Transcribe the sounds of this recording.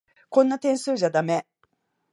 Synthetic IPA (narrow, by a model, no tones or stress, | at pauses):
kõ̞nːat̪ẽ̞ɰ̃sɨːʑad̪ame̞